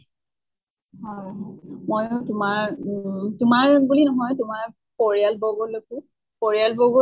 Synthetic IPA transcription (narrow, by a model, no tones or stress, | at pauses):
hɔjɦɔmojtʊmaɹ | tʊmaɹbulinɔɦɔjtumaɹ | pɔɹialbɔɡoloku | pɔɹialbɔɡo